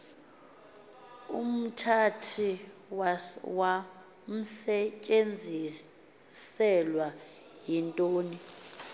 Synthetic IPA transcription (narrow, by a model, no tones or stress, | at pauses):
ṵm̩tʰatʰiwawa | m̩sɛcʼend͡zʱi | sɛlwa | jintʼoːni